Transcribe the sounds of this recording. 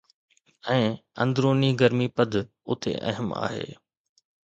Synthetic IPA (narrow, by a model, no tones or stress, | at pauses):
ɛ̃ːɐ̰̃nd̪ɾoːniɡɐɾmipɐd̪ʱ | ʊt̪ʰḛʔɐ̰ɦəma̰ːɦḛː